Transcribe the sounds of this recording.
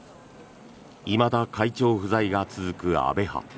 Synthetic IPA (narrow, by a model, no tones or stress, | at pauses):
imad̪akʰait͡ɕo̞ːɸɯ̟zaiɡat͡sɨzɨkɯ̟a̰be̞ha̰